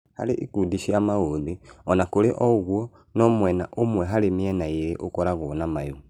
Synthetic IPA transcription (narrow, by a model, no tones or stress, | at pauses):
ha̰leʔikudiʃiamaodiɔnakoleʔɔɣwɔ | nɔmwɛnaʔomwɛɦalemiɛnajeɾeʔokɔɾaɣonamaju